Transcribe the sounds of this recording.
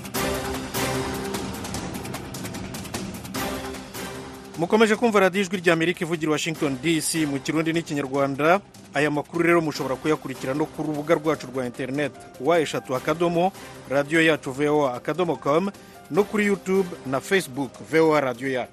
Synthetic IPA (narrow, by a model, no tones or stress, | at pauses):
muko̞me̞ʒe̞kuːɱvaɾaːdioiʒwiɾɟaːme̞ɾikivuɟiɾiwaʃiŋɡtondisimuciɾuːndiniciɲaɾɡwaːndaː | jamakuɾuɾe̞ːɾo̞muʃo̞βo̞ɾakujakuɾiciɾano̞kuɾuβuɡaɾɡwaːt͡ʃuɾɡwaːinte̞ɾne̞t | wae̞ʃatuakado̞mo | ɾadijo̞jaːt͡ʃuveoaːkado̞mokom | no̞kuɾijutubnafesbukveoaɾadijo̞jaːt͡ʃu̥